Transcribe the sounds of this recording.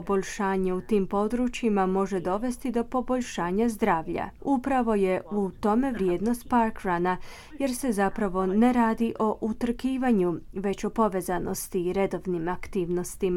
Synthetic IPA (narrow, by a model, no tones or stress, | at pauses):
oboʎʃaːɲeut̪iːmpo̞d̪ɾut͡ɕjimamo̞ʒe̞d̪o̞ʋe̞st̪id̪o̞po̞bo̞ʎʃaːɲazd̪ɾaːʋʎa̰upɾaʋo̞je̞ut̪o̞me̞ʋɾjeːd̪no̞st̪̚paɾkɾana | je̞ɾse̞zapɾaʋo̞ne̞ɾaːd̪iʔo̞ʔut̪r̩kiːʋaɲuʋe̞t͡ɕo̞po̞ʋe̞ːzano̞̰st̪iːɾe̞d̪o̞ʋnimakt̪iːʋno̞st̪ima